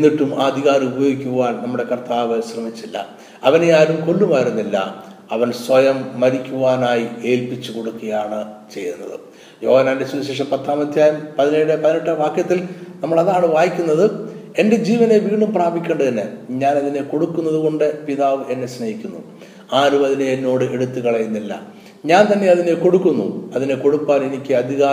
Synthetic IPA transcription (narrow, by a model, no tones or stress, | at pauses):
enːiʈːumaːɐd̪ʱiɣaːɾubɐjoːɡikʲːuʋaːnnɐmːuɽe̞kɐrt̪aːʋɨɕrɐmit͡ɕːilːɐ̰ | ɐʋɐnejaːɾumko̞lːumaːjiɾunːilːɐ̰ | ɐʋɐnswɐjɐmːɐɾikʲːuʋaːnaːjie̞ːlpit͡ɕːuko̞ɽukːɐjaːɳɨt͡ɕe̞jːunːɐ̰ðɨ̰ | jo̞ːhɐnːaːnde̞suɕeːʂ̬ɐmpɐt̪ʰːaːmɐd̪ʱjaːjɐmpɐðinejɽepɐðineʈːɐʋaːkjɐt̪ːilnɐmːɐɭɐðaːɳɨʋaːjikʲːunːɐðɨ | e̞nde̞d͡ʑiːʋɐne̞ʋiːɳumpraːbʱikʲːeːɳɖɨt̪ɐnːeɲaːnɐðine̞ko̞ɽukːunːɐðuɣo̞ɳɖɨpiðaːʋɨe̞nːe̞snɐhikʲːunːṵ | aːɾumɐðineːnːo̞ːɽɨʔe̞ɽut̪ːɨkɐɭɐjunːilːɐ̰ | ɲaːnt̪ɐnːe̞ɐðine̞ko̞ɽukːunːṵɐðine̞ko̞ɽupːaːne̞nikʲːɨɐd̪ʱiɣaː